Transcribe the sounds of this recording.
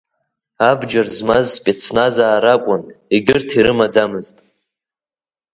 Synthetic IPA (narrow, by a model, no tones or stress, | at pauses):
abd͡ʒarzmazspʼet͡sʰnazaːɾakʷʼʊniɡʲɪrtʰiɾɨmad͡zamɨztʼ